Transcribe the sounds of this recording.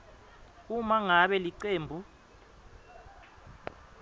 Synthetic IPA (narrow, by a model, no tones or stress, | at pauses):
umaŋaɓɛliǀeːmbʱu